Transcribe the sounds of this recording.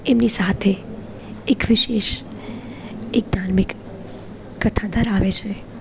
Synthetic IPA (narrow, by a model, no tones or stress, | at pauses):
emnisat̪ʰe | ekʋɪʃeʃ | ek̚d̪ʱaɾmɪkː | ət̪ʰad̪əɾaʋet͡ʃʰe